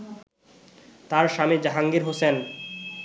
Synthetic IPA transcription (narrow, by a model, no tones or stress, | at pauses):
t̪aɾʃamed͡ʑaɦaŋɡiɾɦosen